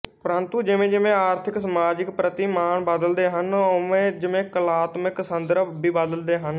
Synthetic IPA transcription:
pəɾənt̪uːd͡ʒɪʋẽːd͡ʒɪmẽːaːɾt̪ʰɪksəmaːd͡ʒɪkpɾət̪iːmaːɳbəd̪əld̪eːɦənoʋẽːd͡ʒɪmẽːkəlaːt̪mɪksənd̪əɾəbiːbəd̪əld̪eːɦən

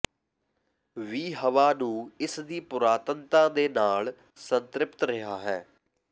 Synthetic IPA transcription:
ʋiːɦəʋaːnũːɪsd̪iːpʊɾaːt̪ənt̪ãːd̪eːnaːl | sənt̪ɾɪpt̪ɾəɦaːɦɛː

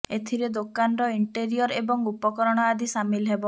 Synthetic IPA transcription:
et̪ʰiɾed̪okanɔɾɔiɳʈeɾiɔɾebɔŋupɔkɔɾɔɽ̃ɔad̪isamilɔɦebɔ

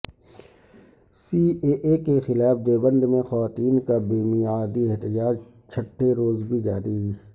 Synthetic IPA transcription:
siːeʔekexɪlaːfd̪eːbə̃nd̪mẽxɐʋaːt̪iːnkabiːmijaːd̪iɪɦt̪ɪd͡ʒaːd͡ʒ | t͡ʃʰɐʈʰːeɾoːzbʱid͡ʒaːɾiː

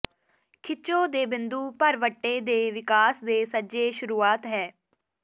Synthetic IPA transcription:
kʰɪt͡ʃõːd̪eːbɪ̃nd̪uːpəɾʋəʈːeːd̪eːʋɪkaːsd̪eːsəd͡ʒeːʃʊɾuːaːt̪ɦɛː

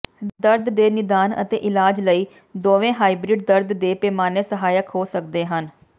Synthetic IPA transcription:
d̪əɾd̪ːeːnɪd̪aːnə̰t̪ḛːʔɪlaːd͡ʒləiː | d̪oːʋẽːɦaːiːbɾɪɖ̚d̪əɾd̪d̪eːpɛːmaːneːsəɦaːjəkɦoːsəkd̪eːɦən

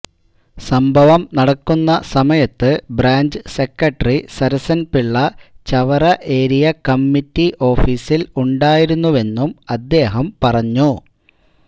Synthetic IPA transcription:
sɐmbʱɐʋɐmnɐɽɐkːunːɐsɐmɐjɐt̪ːɨbraːɲd͡ʑɨse̞kːɐʈːɐrisɐɾɐsɐnpiɭːɐt͡ɕɐʋɐrɐʔe̞ːɾijɐkɐmːitːiʔo̞ːfiːsiluɳɖaːjiɾunːuʋe̞nːumɐd̪ːe̞ːɦɐmpɐrɐɲːu

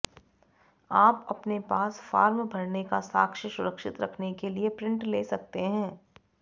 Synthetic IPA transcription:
aːpɐpnepaːsfaːɾmbʱɐɾnekasa̰ːkʃəsʊɾəkʃɪt̪ɾɐkʰnekeliepɾɪ̃ɳʈleːsɐk̚t̪eɦɛ̃ː

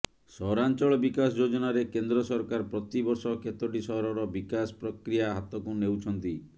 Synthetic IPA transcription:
sɔɾant͡ʃɔɭɔbikasɔd͡ʒod͡ʒɔnaɾekend̪ɾɔsɔɾkaɾpɾɔt̪ibɔɾsɔket̪ɔʈisɔɦɔɾɔɾɔbikasɔ̥pɾɔkɾijaɦat̪ɔkunewt͡ʃʰɔnt̪i

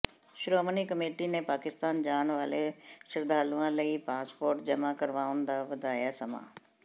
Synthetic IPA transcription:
ʃʊɾomənikəmeːʈinẽpaːkɪst̪aːnd͡ʑaːnʋaːlesɪɾd̪ʱaːluãːləipaːspoːɾʈd͡ʑɐmakɐɾʋaːʊn̆d̪aːʋɐd̪aːjaːsɐma̰ː

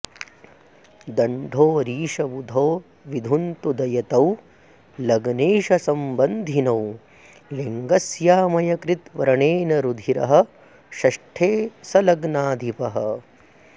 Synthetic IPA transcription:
d̪ɐɳɖʱoːɾiːʂɐbud̪ʱoː | ʋid̪ʱunt̪ud̪ɐjɐt̪ɐw | lɐɡneːʃɐsɐmbɐnd̪ʱinɐw | liŋɡɐsjaːmɐjɐkɾit̪ʋɐɾɐɳeːnɐɾud̪ʱiɾɐ̰ɦɐ̆ | ʃɐʂʈʰeːsɐlɐɡnaːd̪ʱipɐɦɐ̰̆

